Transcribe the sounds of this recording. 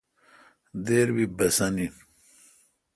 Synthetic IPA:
d̪eːɾwibɐsɐnin

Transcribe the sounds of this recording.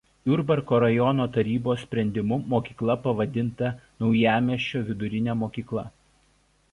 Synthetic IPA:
ʊɾbɐɾkoːɾɐjɔnoːt̪ɐɾʲiːboːsʲsʲpʲɾʲɛnʲd̪ʲɪmʊmoːkʲiːklˠɐpɐʋɐd̪ʲɪnt̪ɐnɒʊjæːmʲiɛʃʲt͡ʃʲoːʋʲɪd̪ʊɾʲɪnʲɛːmoːkʲiːklˠɐ

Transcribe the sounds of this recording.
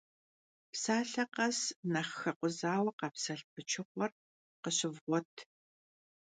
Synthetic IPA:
psaːɬɐqɐsnɐχxɐqʷʊzaːwɐqɐpsɐɬpʰɨt͡ʃʰɪχʷɔr | qəɕɪvʁʷɔtʰ

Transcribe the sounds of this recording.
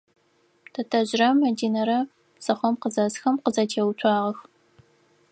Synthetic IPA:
tʰɐtʰɐʑrɐmɐdiːnɐɾɐ | sɐχʷɔmqəzɐsxɐmqəzɐtʰeːwtʷʰɑːʁɐx

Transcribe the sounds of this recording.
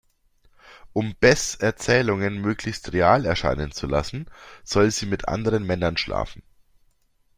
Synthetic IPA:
ʔʊmb̥ɛsʔɛɐt͡sɛːlʊŋənmøːklɪçstʁeaːlɛɐʃa̰ɪnənt͡sula̰sn̩z̥ɔlziːmɪtʔa̰ndəʁənmɛnɐnʃla̰ːfn̩

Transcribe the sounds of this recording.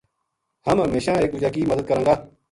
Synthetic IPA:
həmɦəmeːʃãːeːkʋʊd͡ʒaːk̬iːməd̪əd̪kəɾãːŋɡaː

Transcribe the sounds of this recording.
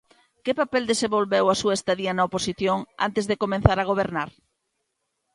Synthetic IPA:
kɪpapɛld̪esẽmbolβɛwasuɐest̪aðiɐnɐoposiθjoŋa̰nt̪ezðekomẽn̟θaɾaɣoβ̞eɾnaɾ

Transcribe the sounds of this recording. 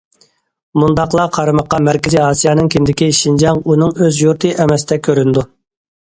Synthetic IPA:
mund̪ɑqlˠɑqʰɑɾɨmɑqːɑmæɾkʲɪziɑːsijɑnɨŋkʲʰind̪ɪkʲiʃind͡ʒɑŋunɨŋøzjuɾt̪ʰɨʔɛmɛsd̪ɛkʲʰøɾynd̪u

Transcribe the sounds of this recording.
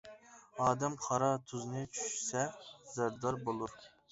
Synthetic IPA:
ɑːd̪ɛmqʰɑɾɑt̪ʰuznɨt͡ʃʰy̥ʃsɛzæɾd̪ɑɾbolˠuɾ

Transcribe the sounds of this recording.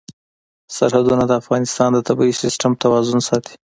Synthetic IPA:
saɾhad̪unad̪əafɣɑnɪst̪ɑnd̪ət̪abisɪsʈamt̪awɑzʊnsɑt̪i̥

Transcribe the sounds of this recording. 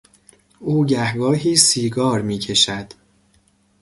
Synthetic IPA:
uːɟæhɡɒːɦiːsiːɡɒːɾmiːcʰe̞ʃæd̪̥

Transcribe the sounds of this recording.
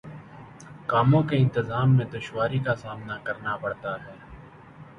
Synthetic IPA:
kaːmõkeɪ̃nt̪ɪzaːmːẽd̪ʊʃwaːɾikasaːmnakɐɾnapɐɽt̪aɦɛː

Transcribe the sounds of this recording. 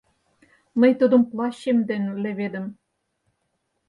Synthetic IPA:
mɤ̆jt̪ud̪ɤ̆mplˠɑɕemd̪enʲlɘ̆βed̪ə̆m

